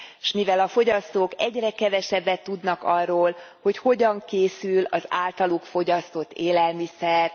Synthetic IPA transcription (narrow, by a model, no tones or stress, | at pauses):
ʃmivɛlɒfo̞ɟɒst̪oːkɛɟrɛkɛvɛʃɛbːɛt̪ːud̪nɒkɒrːoːlho̞cho̞ɟɒŋkeːsylɒza̰ːlt̪ɒlukfo̞ɟɒst̪o̞t̪ːeːlɛlmisɛr